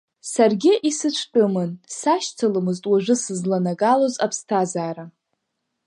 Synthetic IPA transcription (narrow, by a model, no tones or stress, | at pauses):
sarɡʲɪʔisɨt͡ʃʷʰtʼɨmɨnsaʃt͡sʰalɨmɨztʼwaʒʷʊsɨzlanaɡalozapʰstʰazaːɾa